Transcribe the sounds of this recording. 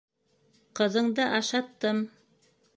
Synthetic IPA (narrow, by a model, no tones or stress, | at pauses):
qɤ̆ðɤ̆ɴd̪ɤʔɑʃɑt̪ːɤm